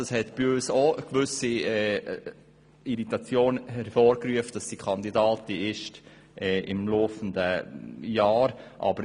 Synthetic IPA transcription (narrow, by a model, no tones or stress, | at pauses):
d̥ɑshɛtb̥iøːsoəkvʏsiɛ | iɾitɑt͡sjoːnhɛɾfoːɾkɾyəftd̥ɑsd̥ikʰɑnd̪idɑːtiɪʃt | ʔɛʔɪ̰mloːfəndəjɑːɾʔɑ̰bə